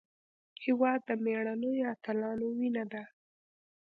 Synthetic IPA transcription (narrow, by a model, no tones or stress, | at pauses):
hɪwɑd̪ːəmeɽ̃anəjoat̪alɑnowinad̪a